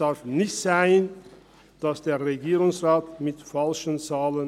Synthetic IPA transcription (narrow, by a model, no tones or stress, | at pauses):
aɾfnɪçtz̥aɪn | d̥asd̥eːɐʁeɡiːʁʊŋsʁaːtmɪtfalʃənt͡saːlən